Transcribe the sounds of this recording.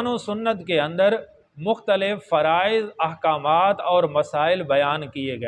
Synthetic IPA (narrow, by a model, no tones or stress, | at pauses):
anusʊnːət̪keɐ̃nd̪əɾ | mʊxt̪əlɪfːɐɾaːɪzɐɦkaːmaːt̪ɔːɾmɐsaːɪlbɐjaːnkieɡɐeː